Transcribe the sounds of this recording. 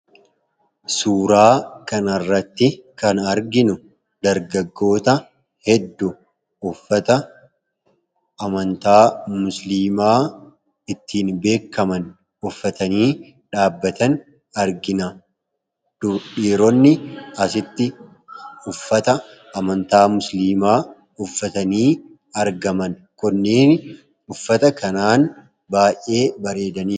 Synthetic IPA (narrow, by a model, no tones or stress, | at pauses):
suːɾaːkɐnɐrːɐt̪ːɪkɐnɐɾɡɪnʊ | d̪ɐɾɡɐɡːo̞ːt̪ɐ | hɛd̪ːʊ | ʊfːɐt̪ɐ | ɐmɐnt̪aːmʊsliːmaː | ɪt̪ːiːnbe̞ːkːɐmɐn | ʊfːɐt̪ɐniː | ᶑaːbːɐt̪ɐn | ɐɾɡɪnɐ | d̥ʊᶑiːɾɔnːɪɐsɪt̪ːɪ | ʊfːɐt̪ɐ | ɐmɐnt̪aːmʊsliːmaː | ʊfːɐt̪ɐniː | ɐɾɡɐmɐn | kʊnːiːn | ʊfːɐt̪ɐkɐnaːn | baːjʔːe̞ːbɐɾe̞ːd̪ɐniː